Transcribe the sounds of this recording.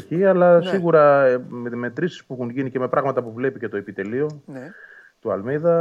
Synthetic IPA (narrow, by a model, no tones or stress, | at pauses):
çiɐlɐsiɣuɾɐ | me̞t̪ɾisi̥spuixunʝinice̞me̞pɾʔɐɣmɐt̪ɐpuvle̞pice̞t̪o̞epit̪e̞lio̞ | t̪uɐlmiðɐ